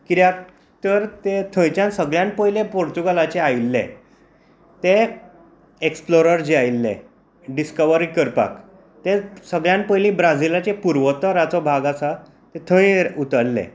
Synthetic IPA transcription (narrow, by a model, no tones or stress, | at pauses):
kiɾjak | t̪əɾt̪et̪ʰə̃jt͡ɕjãnsəɡɭjãnpəjlepoɾt̪uɡalat͡ɕeajlːḛ̃ | t̪e | eksploɾəɾd͡ʑiajlːḛ̃ | ɖiskəʋəɾikəɾpa̰k | t̪esəɡɭjãnpəjlibɾad͡zilat͡ɕepuɾʋət̪ɔɾat͡sɔbʱaɡasa | t̪et̪ʰə̃ĩut̪əɽlːḛ̃